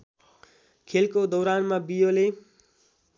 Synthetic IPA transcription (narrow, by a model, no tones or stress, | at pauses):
kʰelkod̪ʌwɾanmabijole